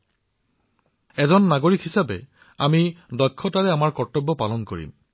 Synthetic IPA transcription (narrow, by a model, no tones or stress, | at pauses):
ɛzɔnːaɡoɹikhisabɛ | a̰midɔkʰːɔtaɹɛamaɹkɔɹtɔbːɔpalɔnko̰ɹḭm